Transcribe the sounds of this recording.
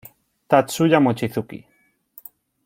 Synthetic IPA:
t̪at̪suʎamot͡ʃiθukḭ

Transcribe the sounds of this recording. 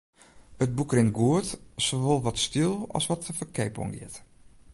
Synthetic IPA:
əd̚bukrɪnɡuətsoʋolˠʋɔtstilˠɔ̰sʋɔtəfəkʰɛjbɔ̰ŋɡɪ̰t

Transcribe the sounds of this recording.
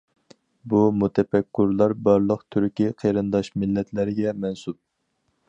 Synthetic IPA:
bumut̪ʰɛpɛkʲːyɾlˠɑɾbɑɾlˠəqt̪ʰyɾkʲiqʰeɾɨnd̪ɑʃmɪlːɛt̪ʰlɪɾɪɡʲɛmɛnsup̚

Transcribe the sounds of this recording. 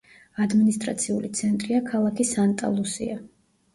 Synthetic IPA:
ad̪minist̪ʼɾa̰t̪sʰiulit̪sʰɛnt̪ʼɾiakʰalˠakʰisant̪ʼa̰lˠusḭa

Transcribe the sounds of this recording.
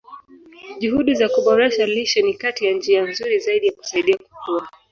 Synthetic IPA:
ʄuɦuɗizakuɓɔɾɛʃaliʃɔnikatijand͡ʒianzuɾizaiɗijaku̥saiɗiaku̥kua

